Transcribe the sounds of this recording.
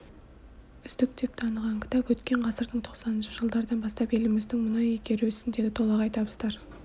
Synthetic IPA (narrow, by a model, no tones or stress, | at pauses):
ʏst̪ɪk̚t̪e̞p̚t̪ʰɑnəʁɑŋkʲʰɪ̥t̪ʰɑpwɵt̪kʲe̞ɴqʰɑsəɾd̪əɴt̪ʰo̞qsɑnənʃɪʒəlˠd̪ɑɾd̪ɑnbɑst̪ɑpe̞lɪmɪzd̪ɪŋmʊnɑjekʲe̞ɾɪʏsɪnd̪e̞d̪ɪt̪ʰo̞lˠɑqɑjt̪ɑbəzd̪ɑɾ